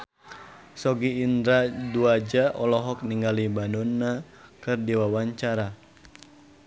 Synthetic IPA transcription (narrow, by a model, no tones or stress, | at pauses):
sɔɡiːnd̪ɾaduad͡ʒaʔɔlɔɦɔk̚niŋɡalibanɔnːa | kɨrdiwawaɲt͡ʃaɾa